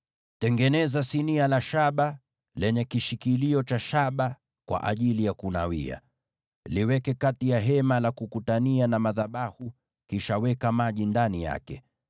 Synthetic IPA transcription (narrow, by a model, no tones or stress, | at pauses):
tɛŋɡɛnɛzasinialaʃaɓa | lɛɲɛkiʃikiliɔt͡ʃaʃaɓa | kwa̰ʔaʄilijakuna̰wḭa̰ | liwɛkɛkatijaɦɛmalakukutanianamaðaɓahu | kiʃawɛkamaʄindanija̰kɛ